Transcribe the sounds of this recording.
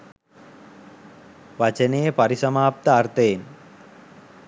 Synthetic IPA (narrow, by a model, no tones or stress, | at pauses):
ʋat͡ʃənejepaɾisɐmaːp̚t̪əːrt̪əjen